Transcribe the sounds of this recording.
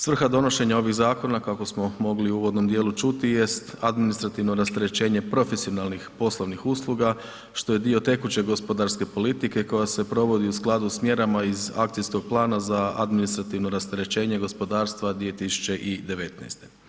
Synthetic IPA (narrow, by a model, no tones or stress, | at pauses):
sʋr̩xad̪o̞no̞ʃe̞ɲao̞ʋiɣzaːko̞nakako̞smo̞mo̞ɡliuːʋo̞d̪no̞md̪jeːlut͡ʃut̪ije̞st̪ad̪minist̪ɾat̪iʋno̞ɾast̪eɾet͡ɕe̞ːɲe̞pɾo̞fesio̞nalnixpo̞slˠoʋnixuslˠuɡa | ʃt̪o̞je̞d̪io̞t̪e̞kut͡ɕe̞ɡo̞spo̞d̪aɾske̞po̞lit̪ike̞ko̞jase̞pɾo̞ʋo̞d̪iusklˠad̪usmje̞ɾamaiza̰k̚t̪ijsko̞ɡ̚plˠaːnazaa̰d̪minist̪ɾat̪iʋno̞ɾast̪eɾe̞t͡ɕe̞ːɲe̞ɡo̞spo̞d̪aːɾst̪ʋad̪ʋie̞t̪isu̥t͡ʃe̞ʔid̪e̞ʋe̞t̪na̰jst̪e̞